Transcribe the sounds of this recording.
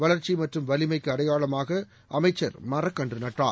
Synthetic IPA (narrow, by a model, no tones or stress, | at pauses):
ʋɐɭɐɾt͡ʃːimɐʈrɯmʋɐlɪmɐɪkːɯɐɾɐjaːɭɐmaːɣɐ | ʔɐmɐɪt͡ʃːɐɾmɐrɐkːɐndrɯnɐʈra̰ː